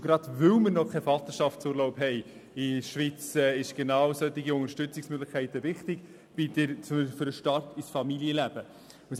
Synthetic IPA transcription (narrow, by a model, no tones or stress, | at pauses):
ɡɾɑdvɵwməɾnɔkʰɛfɑt̪əʃɑftt͡suːɾlɔʊpɦɛɪ | ɪʃvit͡sɛɪʃɡ̥enɑːwsœt̪ːɪɡiʊŋəɾʃtʏt͡sɪksmøɡlɪχkʰɛɪtəvɪχtɪk | b̥idəɾt͡smfɾəʃtɑrtisfɑmiljəlæb̥ə | ʊs